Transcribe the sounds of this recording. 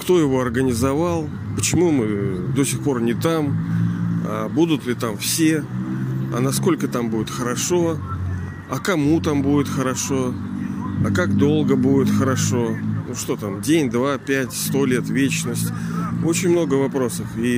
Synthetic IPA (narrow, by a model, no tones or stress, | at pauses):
kt̪o̞jɪvo̞ɐrɡənʲɪzɐvalˠ | pət͡ɕɪmumɨd̪o̞sʲɪxpo̞rnʲɪt̪am | a̰bud̪ʊt̪lʲɪt̪amfsʲe̞ | ɐ̰nɐsko̞lʲkət̪ambudʲɪt̪xəɾɐʂo̞ | ɐkɐmut̪ambudʲɪt̪xəɾɐʂo̞ | ɐkakd̪o̞lˠɡəbudʲɪt̪xəɾɐʂo̞nuʂt̪o̞t̪amdʲenʲd̪vapʲætʲst̪o̞lʲe̞t̪vʲet͡ɕnəsʲtʲo̞t͡ɕɪnʲmno̞ɡəvɐpɾo̞səfi